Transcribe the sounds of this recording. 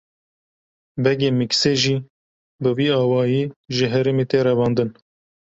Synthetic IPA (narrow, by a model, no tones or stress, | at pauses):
bɛɡeːmɨkseːʒiː | bɨwiːɑːwɑːjiːʒəɦɛɾemeːt̪eːɾɛvɑːnd̪ɨn